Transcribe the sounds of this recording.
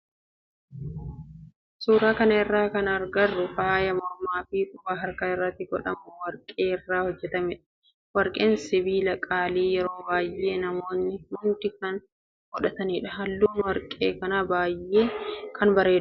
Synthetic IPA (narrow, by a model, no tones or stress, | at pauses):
suːɾaːkɐnɐɪrːaːkɐnɐɾɡɐrːʊfaːjɐmɔɾmaːfɪkʼʊfaːɦɐɾkaɪrːɐt̪ːɪɡɔ̰ᶑɐ̰mʊwɐɾkʼeːɪrːaːhɔd͡ʒːɛt̪ɐmɪᶑɐ̥ | wɐɾkʼe̞ːnsɪbiːlɐkʼaːliːjɛɾo̞ːbaːje̞ːnɐmo̞ːnːɪmʊnt̪ɪkɐn | ɡ̥ɔᶑɐt̪ɐniːᶑɐhɐlːuːnwɐɾkʼḛːkɐnabaːjʔːeːkʰɐnbɐɾe̞ːᶑ